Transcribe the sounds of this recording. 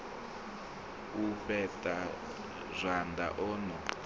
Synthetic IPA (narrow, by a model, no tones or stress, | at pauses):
uɸɛtʼa | zʷand̪a̰ʔɔːnɔ